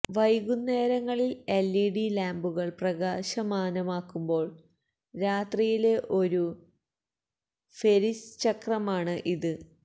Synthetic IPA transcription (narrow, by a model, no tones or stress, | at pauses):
ʋɐjɣunːe̞ːɾɐŋːɐɭilelːiɽilaːmbuɣɐɭprɐɣaːɕɐmaːnɐmaːkːumbo̞ːɭ | ɾaːt̪rijile̞ʔo̞ɾu | fe̞ɾist͡ɕɐkrɐmaːɳɨʔiðɨ